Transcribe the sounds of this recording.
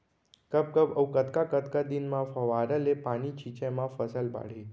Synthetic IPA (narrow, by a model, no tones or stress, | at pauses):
kəp̚kəpəwkət̪kakət̪kad̪inmãfəʋaɾəlepanit͡ʃʰit͡ʃemãfəsəlba̰ɽ̤i